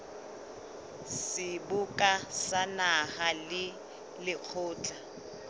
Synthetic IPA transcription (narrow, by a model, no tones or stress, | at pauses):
sɪbʊkʼasanahalɪ | lɪq͡χʰʊːt͡ɬʼa